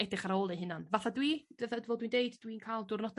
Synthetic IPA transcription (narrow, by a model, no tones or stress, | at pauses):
ɛdɪχaɾoːlˠiɦɪnanvaθadwid̥əðədvɔlˠdwindejddwinkʰaːlˠdʊrnɔd